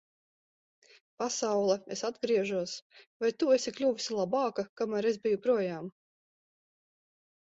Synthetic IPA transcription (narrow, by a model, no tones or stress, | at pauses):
pasawlˠɛesad̪ɡɾiɛʒuɔsvajt̪uesʲiklʲuːvʲisʲilˠabɑːkakamæːɾezbijupɾuɔjaːm